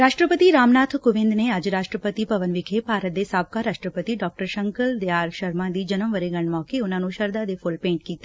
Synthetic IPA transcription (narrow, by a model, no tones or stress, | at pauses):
ɾaːʃʈɾəpət̪iɾaːmnaːt̪ʰkʊʋɪ̃nd̪nead͡ʒɾaːʃʈɾəpət̪ipɐʋənʋɪkʰepaːɾət̪̚d̪esaːb̚kaɾaːʃʈɾəpət̪iɖɔːk̚ʈəɾʃə̃ŋkəld̪eaːɾʃɐɾmãd̪id͡ʒɐnəmʋəɾeɡɐɳ̃mɔːkeʊn̤ãːnũʃɐɾd̪ad̪efʊlpẽːɳʈkiːt̪e